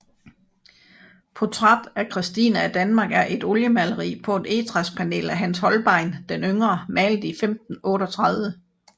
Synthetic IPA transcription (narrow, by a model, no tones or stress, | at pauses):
pʰɒt͡sʰʁɑd̥ækʰʁisd̥ḭːnæːd̥ænmɑ̈ːɡ̥æɐʔe̝d̥ɔ̽ljəmæləʁḭːpʰɒ̽e̝d̥e̝̰ːt͡sʰʁɑspʰæne̝̰ːlæɦænshɒ̽lb̥ɑ̈ɪ̰nd̥enøŋʁɐmɛːld̥əifemd̥n̩ɔ̽ːɾɒt͡sʰʁɑðˠʋə